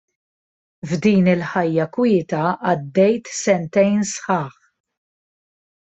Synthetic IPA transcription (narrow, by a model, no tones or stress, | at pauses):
vd̪iːnɪlħɐjːɐkwɪːt̪ɐɐd̪ːɛjt̪sɛnt̪ɛjnsħɐːħ